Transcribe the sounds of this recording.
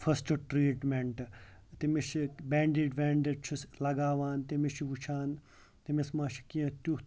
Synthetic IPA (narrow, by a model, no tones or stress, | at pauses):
fʰɐst͡ʃuʈɾiːʈmeɳʈt̪imiʃibeːɳɖiɖbeːɳɖeɖt͡ʃʰuslɐɡaːʋaːnt̪imiʃʰiʋut͡ʃʰaːn | t̪imismaːʃʰi̥kiɐ̃t̪u